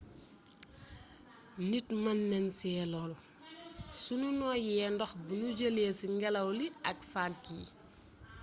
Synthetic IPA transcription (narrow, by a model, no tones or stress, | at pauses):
nitmɐnːɛnsɛːlɔl | sununɔːjɛːndɔxbunuɟəlɛsiŋɡɛlɐwliʔɐkfak̚ːiː